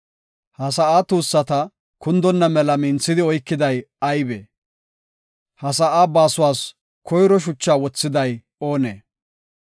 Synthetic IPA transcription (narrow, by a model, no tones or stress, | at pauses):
hɐsɐʔaːt̪uːsːɐt̪ɐ | kʊnd̪ɔnːɐmɛlɐmɪnt͡sːɪd̪ɪɔjkːɪd̪ɐj | ɐjbḛː | hɐs̬ɐʔaːbaːsʊwaːs | kʰɔjɾɔʃ̬ʊt͡ʃːaːwɔt͡sːɪd̪ɐj | o̞ːnḛː